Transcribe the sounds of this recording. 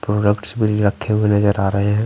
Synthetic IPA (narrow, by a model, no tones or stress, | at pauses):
pɾoːɖəkʈsbʱiɾɐkʰːeɦuwenɐd͡ʒəɾaːɾɐɦeɦɛ̃